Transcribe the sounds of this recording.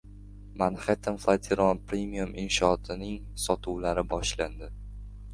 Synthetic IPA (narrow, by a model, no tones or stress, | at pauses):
manhet̪ʰamflˠat̪ʰeɾɒnpɾʲemijumɪnʃɒːt̪ʰɪnɪŋ | sɒt̪ʰʊwlaɾɪbɒʃland̪ɪ